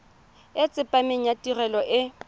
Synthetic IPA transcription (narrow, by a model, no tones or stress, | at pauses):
ɪt͡sʼɪpʼameɲ̩jatʼirɛlɔʔɪ